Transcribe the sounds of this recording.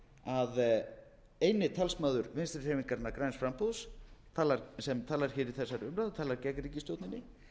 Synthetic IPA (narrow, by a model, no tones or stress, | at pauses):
að | ejnɪt̪ʰɛlsmaːðʏɾvɪnst̪ɾɪr̥ɛːviŋkaɾnakɾajnsfɾampoðst̪ʰaːlaɾsɛmt̪ʰaːlaɾ̥çɛːɾiθɛsːaɾʏmɾawðt̪ʰaːlaɾcɛkɾiːcɪst̪jowt̪nɪnɪ